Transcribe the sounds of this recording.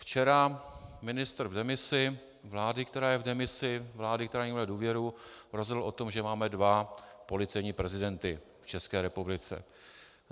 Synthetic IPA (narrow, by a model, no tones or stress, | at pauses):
ft͡ʃɛɾamɪnɪst̪r̩vdɛmɪsɪ | vlaːdɪkt̪ɛɾaːjɛvdɛmɪsɪvlaːdɪkt̪ɛɾaːɲɛmɛladuːvjɛɾuɾozɦodl̩ʔo̞t̪omʒɛmaːmɛdvapo̞lɪt͡sɛjɲiːpɾɛzɪdɛnt̪ɪ | ft͡ʃɛskɛːɾɛpublɪt͡sɛ̰